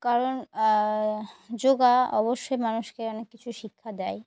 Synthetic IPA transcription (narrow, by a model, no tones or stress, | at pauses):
kaɾon | d͡ʑoɡaɔ̰boʃːojmanuʃkeɔnekːit͡ɕʰuʃikʰːad̪ɛe